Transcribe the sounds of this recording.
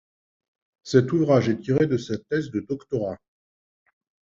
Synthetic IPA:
sɛt̪uvʁaʒɛt̪iʁed̪əsɛt̪ːɛzd̪əd̪ɔkt̪ɔʁa

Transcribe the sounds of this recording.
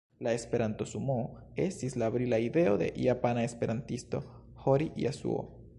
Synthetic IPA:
laespeɾant̪osumoesislaβɾilaiðeoðḛʔiapanaespeɾʔant̪ist̪o | xoɾiʔḭasṵo̰

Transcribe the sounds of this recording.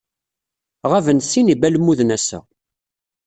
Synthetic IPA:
ʁævənsinibælmuðnæsæ̰

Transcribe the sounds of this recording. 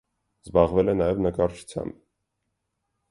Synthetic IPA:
zbɑʁvɛlɛnɑjɛvnəkɑɾt͡ʃʰu̥t͡sʰjɑ̰mb

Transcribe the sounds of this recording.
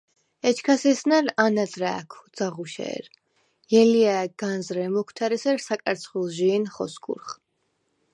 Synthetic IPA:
ɛt͡ʃʰkʰasɛsnaɾanad̪ɾaːkʰd̪z̥aʁuʃɛ̰ːɾ | jɛliaɡ̥anzɾɛmɔkʰt̪ʰaɾɛsɛɾsakʼaɾt̪sʰχulˠʒiːnχɔsɡʰʼṵɾχ

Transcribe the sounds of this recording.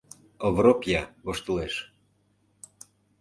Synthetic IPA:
ovɾopjɑɣoʃt̪ŏleʃ

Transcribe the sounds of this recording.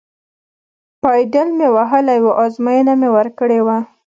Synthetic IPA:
pɑjdəlmewaɦəlajwoʔɑzmɑjənamewəɾkəɽewa

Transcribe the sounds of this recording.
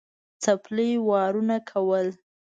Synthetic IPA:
t͡saplijwɑɾunakʰawəl

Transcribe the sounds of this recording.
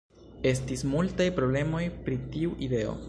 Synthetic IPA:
e̞s̬tismultajpɾoble̞mo̞jpɾitiuʔide̞o̞̰

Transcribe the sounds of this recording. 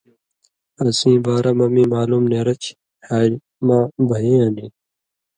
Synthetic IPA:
ɐsĩːbaːɾamɐmiːmaːluːmneːɾɐt͡ɕ | haːɾ | mãːbʱɐjĩːanĩː

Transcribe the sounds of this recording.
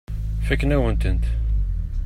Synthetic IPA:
fækːnæwənt̪ənt̪

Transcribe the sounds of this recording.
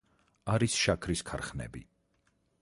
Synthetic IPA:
aɾisʃakʰɾiskʰaɾχnɛ̰bḭ

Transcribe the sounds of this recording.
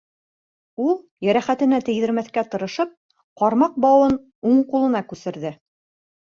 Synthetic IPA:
ulˠ | jæɾæχæt̪ɘ̆næt̪ɘ̆jðɘ̆ɾmæθkæt̪ɤ̆ɾɤ̆ʃɤp̚ | qɒɾmɑq̚bɑwɤn | uɴqulˠɤ̆nɑkʉsɘ̆ɾðɘ

